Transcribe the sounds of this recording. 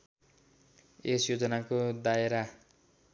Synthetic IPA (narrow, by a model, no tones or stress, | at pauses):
esjod͡zʌnakod̪aeɾa